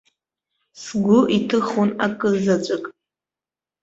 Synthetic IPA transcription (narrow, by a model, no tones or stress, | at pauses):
sɡʷʊʔitʰɨχonakʼɨzat͡ʃʷʼɨkʼ